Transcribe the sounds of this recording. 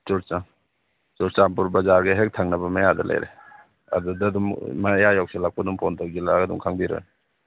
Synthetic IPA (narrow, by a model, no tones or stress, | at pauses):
t͡ʃɔɾt͡ʃaŋ | t͡ʃɔɾt͡ʃampuɾbɐzaɾɡeɦek̚tʰaŋnabɐmajadalʔa̰jɾḛ | a̰dudadummajajɔk̚selak̚padumpʰɔntʰawɡilaadṵŋkʰaŋbiɾɔ̰jn